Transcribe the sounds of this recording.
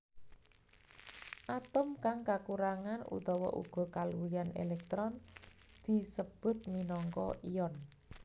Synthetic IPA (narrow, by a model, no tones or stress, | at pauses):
ʔat̪ʊmkaŋkakuɾaŋanṵt̪ɔwɔ̰ʔṵɡ̥ɔ̤kaluijanḛlɛk̚t̪ɾɔn | d̪̥i̤səb̥ʊ̤t̪̚minɔŋkɔ̰ʔijɔn